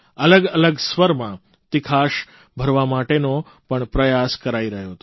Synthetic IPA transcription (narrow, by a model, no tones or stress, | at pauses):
ələɡələɡsʋəɾmã | t̪ikʰaʃ | bʱəɾʋamaʈeno | pəɳpɾəjaskəɾaiɾəɦjoɦt̪